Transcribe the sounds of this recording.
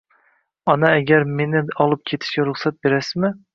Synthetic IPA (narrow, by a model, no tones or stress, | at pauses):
ɒnaːɡʲaɾme̞nɪɒlˠɪp̚kʲʰe̞t̪ʰɪ̥ʃkʲaɾʊχsat̪̚be̞ɾasɪzmɪ